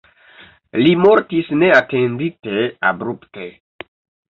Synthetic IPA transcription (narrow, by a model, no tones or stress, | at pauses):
limoɾtisne̞atenditea̰bɾupte